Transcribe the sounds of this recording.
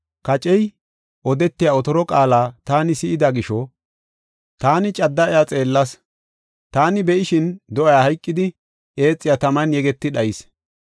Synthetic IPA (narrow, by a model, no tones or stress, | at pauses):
kɐt͡ʃʼɛj | ʔɔd̪ɛt̪ːɪjaɔt̪ɔɾɔkʼaːlaːt̪aːnɪsɪʔɪd̪ɐɡɪʃɔ | t̪aːnɪt͡ʃʼɐd̪ːɐʔɛjat͡sʼe̞ːlːɐs | t̪aːnɪbɛʔɪʃɪnd̪ɔʔɐjahɐjkʼːɪd̪ɪ | ʔe̞ːt͡sʼːɪjaːt̪ɐmɐnjɛɡɛt̪ːɪɗɐjɪs